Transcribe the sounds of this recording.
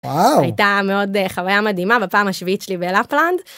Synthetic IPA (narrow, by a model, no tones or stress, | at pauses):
wawa̰jtameo̞deχavajamad̪imabepaːmhaʃviit̪ʃelibelapland